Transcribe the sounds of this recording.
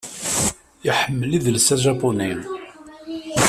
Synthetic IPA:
jiħəmːəliðlsæʒɑpuni

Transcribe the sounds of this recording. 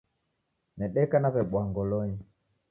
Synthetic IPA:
nɛɗɛkanaβɛɓwaŋɡɔlɔɲi

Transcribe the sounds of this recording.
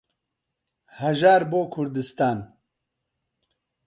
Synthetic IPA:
hɐʒaːɾboːkʰʊɾd̪ɨst̪aːn

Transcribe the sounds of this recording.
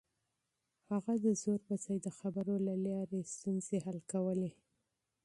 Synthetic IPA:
haɣad̪əzoɾbasajd̪əxabəɾolalɑɾest̪unz̥ehalkawəle

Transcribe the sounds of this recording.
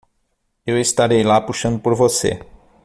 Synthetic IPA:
ewest̪aɾejlapuʃənpoɾvosḛ

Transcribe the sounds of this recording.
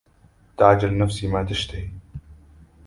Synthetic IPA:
t̪aʕd͡ʒalnafsiːmaːt̪ɪʃt̪ɪ

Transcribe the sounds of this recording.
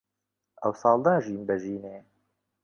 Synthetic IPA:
ʔɛ̰wsɑːlˠd̪aːʒiːmbɛʒiːneː

